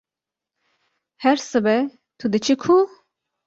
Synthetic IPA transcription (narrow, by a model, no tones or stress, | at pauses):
hɛɾsɨbɛ | t̪ʰud̪ɨt͡ʃʰikʰu